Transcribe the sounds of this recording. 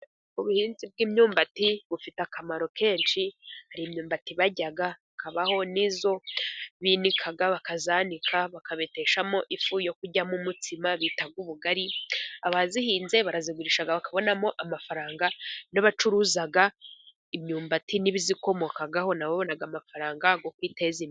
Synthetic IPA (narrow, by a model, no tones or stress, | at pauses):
uβuhiːnzib̚ɡiːmɲuːmbatiβufitakʰamaɾo̞ke̞ːnʃihaɾiːmɲuːmbatiβaɟaɡaβakaβaho̞nizo̞βinikʰaɡaβakazaːnikʰaβakaβe̞te̞ʃamo̞ʔifujo̞kuɟamumutʰimaβiːtaɡuβuɡaɾiaβazihiːnze̞βaɾaziɡuɾiʃaɡaβakaβo̞namo̞ʔamafaɾaːŋɡanaβat͡ʃuɾuzaɡa | imɲuːmbatiniβiziko̞mo̞kaɡaɦo̞naβaβo̞naɡamafaɾaːŋɡaɡokwiːte̞zim